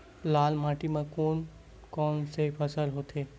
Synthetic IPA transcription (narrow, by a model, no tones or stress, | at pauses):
laːlmaʈimãkon | kɔːnsepʰəsəlɦoːt̪ʰeː